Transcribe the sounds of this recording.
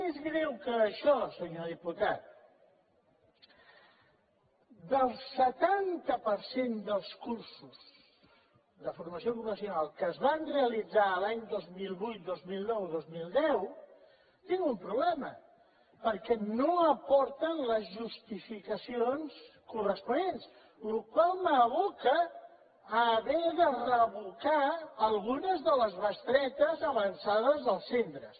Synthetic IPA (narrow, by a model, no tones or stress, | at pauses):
ezɣɾɛwkəːʃɔsəɲoðiput̪at̪̚ | d̪əlˠsət̪ant̪əpəɾsend̪əlˠskuɾsuz | ðəfuɾməsiokupəsjunalˠkəːzβanreəlid͡zaəlaɲd̪ozmilˠβujt̪̚d̪ozmilˠnɔwðozmilˠd̪ɛw | t̪iŋɡumpɾuβlɛmə | pəɾkɛnoəpɔɾt̪ənləzʒust̪ifikəsionskurəspunens | lukwalˠməβukəː | βɛðərəβukaːlˠɣunəzðələzβəst̪ɾɛt̪əzəβənsaðəzðəlˠsːent̪ɾəs